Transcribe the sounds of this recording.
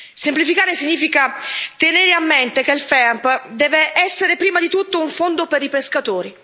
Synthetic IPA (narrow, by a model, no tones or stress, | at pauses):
semplifikaːɾesiɲːiːfikat̪eneɾeamːɛnt̪ekelfɛampd̪ɛːveʔɛsːeɾepɾiːmad̪it̪ut̪ːouɱfond̪opeɾipeskat̪oːɾi